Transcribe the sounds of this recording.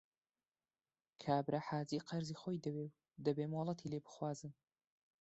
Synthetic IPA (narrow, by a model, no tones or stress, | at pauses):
kʰaːbɾʔaħaːziqʰɐɾziːxoːjd̪ɐwew | d̪ɐbeːmolˠɐt̪ʰileːbɨ̥xwaːzɨn